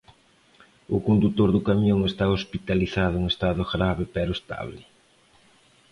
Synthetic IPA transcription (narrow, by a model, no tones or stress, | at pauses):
ʊkond̪ut̪oɾðʊkamjoŋest̪aospit̪aliθaðʊeŋest̪aðʊɣɾaβɪpɛɾʊest̪a̰βlɪ